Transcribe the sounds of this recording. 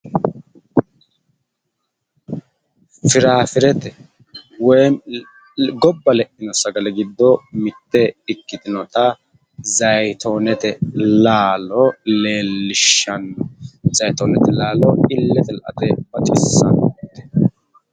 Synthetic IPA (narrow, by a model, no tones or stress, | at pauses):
fɪɾaːfɪɾɛt̪ɛ | wɔj | ɡɔbːɐlɛʔɪnɔsɐɡɐlɛɡɪd̪ːɔmɪt̪ːɛɪkːɪt̪ɪnɔt̪ɐ | zɐjt̪onɛt̪ɛlaːlɔleːlːɪʃːɐnzɐjt̪oːnɛt̪ɛlaːlɔɪlːɛt̪ɛlʔɐ̰t̪ɛbɐt͡ʃʼɪsːɐnt̪ːɛ̥